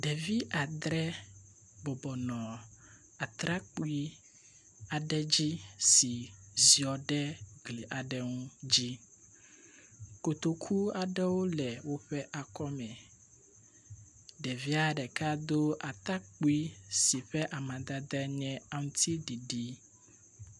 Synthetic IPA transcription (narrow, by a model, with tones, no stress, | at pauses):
ɖɛ˨vi˦a˨d̪ɾɛ˦ | bɔ˨bɔ˨nɔ̃˨ | a˨t̪ɾa˦k͡pu˦i˦ | a˨ɖɛ˦d͡ʑi˦si˨zi˨ɔ˨ɖɛ˦ɡle˨ʔa˨ɖɛ˦ŋũ˦d͡ʑi˦ | ko˨t̪o˨kʰu˦a˨ɖɛ˦wo˦lɛ˨wo˦ɸɛ˦ʔa˨kɔ˦mɛ̃˨ | ɖɛ˨vi˦a˦ɖɛ˨ka˦d̪o˦a˨t̪a˦k͡pu˦i˦si˨ɸɛ˦ʔa˨mã˨d̪a˦d̪ɾɛ˦ɲɛ̃˦a˦ŋũ˦t̪i˦ɖi˨ɖi˦